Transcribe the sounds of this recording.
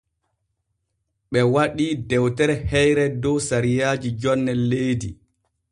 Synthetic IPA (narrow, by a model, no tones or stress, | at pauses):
ɓɛwaɗiːdɛwtɛɾɛhɛjɾɛdɔwsaɾijaːd͡ʒid͡ʒɔnːɛlːejdḭ